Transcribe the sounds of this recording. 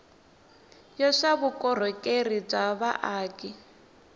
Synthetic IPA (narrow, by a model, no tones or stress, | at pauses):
jɔʂaβukʼɔr̤ɔkʼerib͡ʐaβaʔaːki